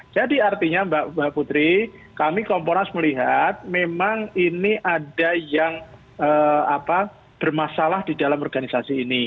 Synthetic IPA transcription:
d͡ʒ̥adiart̪iɲambaʔbaʔput̪ɾikamikɔmponasməliɦat̪̚memaŋiniʔadajaŋ | əːapa | b̥ərmasalahdidalamɔrɡanisasiːni

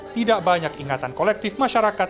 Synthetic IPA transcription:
t̪idaʔbaɲakiŋat̪ankolɛk̚t̪ɪfmaʃaɾaka

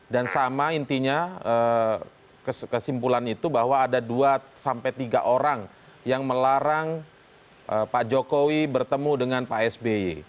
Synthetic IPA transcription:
dansamaint̪iɲaə | kəskəsimpulanit̪ubahwaːdaduasampɛt̪iɡaʔoɾaŋ | jaŋməlaɾaŋ | ʔəpad͡ʒokowibərt̪əmudəŋanpaʔɛsbeḭ

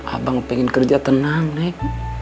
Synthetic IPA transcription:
ʔa̰baŋpɛŋinkərd͡ʒat̪ənaŋnak̚

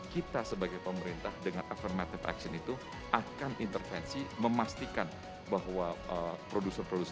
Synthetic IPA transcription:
kit̪asəbaɡajpəməɾint̪ahdəŋanʔafirmat̪ɪfa̰ksənit̪u | ʔakanʔint̪ərfɛnsiməmast̪ikan | baɦwaəpɾodusənpɾodus

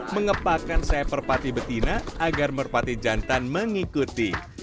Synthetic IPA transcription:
məŋəpakansajapərpat̪ibət̪inaaɡarmərpat̪id͡ʒant̪anməŋikut̪i

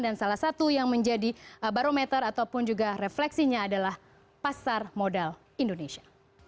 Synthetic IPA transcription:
dansalahsat̪ujaŋməɲd͡ʒadibaɾomɛt̪əɾat̪awpʊnd͡ʒuɡareflɛksiɲaːdalah | pasarmodal | indoneʃia

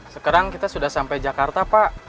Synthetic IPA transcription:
səkaɾaŋkit̪asudahsampajd͡ʒakart̪apaʔ

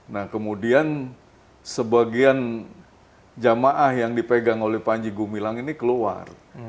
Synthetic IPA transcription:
nahkəmudian | səbaɡian | d͡ʒamaʔahjaŋdipeɡaŋolɛhpaɲd͡ʒiɡumilaŋinikəlua̰r

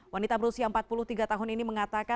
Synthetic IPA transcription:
wanit̪abəɾusiaəmpat̪̚pulʊht̪iɡat̪aɦʊniniməŋat̪aka

